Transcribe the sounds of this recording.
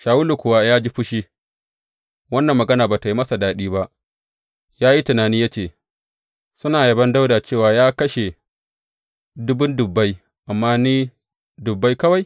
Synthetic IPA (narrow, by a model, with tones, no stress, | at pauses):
ʃaː˨wʊ˦lu˨kʷʊ˨wa˦jaː˦d͡ʒi˦ɸʊ˦ʃi˦ | wɐ˦nːɐ˨mːɐ˨ɡɐ˦naː˨baː˨ta˨ji˦mɐ˦sa˨daː˦ɗiː˦ba˦ʔ | jaː˦ji˦tʊ˨naː˨niː˦ja˦t͡ʃeː˨ | sʊ˦naː˨jɐ˦bɐ˦nda˦wdaː˨t͡ʃeː˦˨waː˨jaː˦kɐ˦ʃe˨ | dʊ˦bʊ˦ndʊ˨bːa˦j | ʔa˨mːaː˦niː˦ | dʊ˨bːa˦jkɐ˦wa˨j